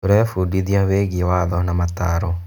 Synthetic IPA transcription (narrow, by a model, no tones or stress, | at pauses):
ɾɛfudiðjaweɡiwaðɔnamataɾɔ